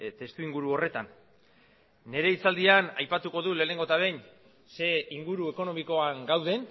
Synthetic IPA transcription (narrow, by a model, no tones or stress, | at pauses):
t̪e̞st̪uiŋɡuɾuo̞re̞t̪an | e̞ɾe̞it͡sald̪ianajpat̪uko̞ðule̞ːne̞ŋɡo̞t̪aβe̞n | se̞iŋɡuɾue̞ko̞no̞miko̞aŋɡawðe̞n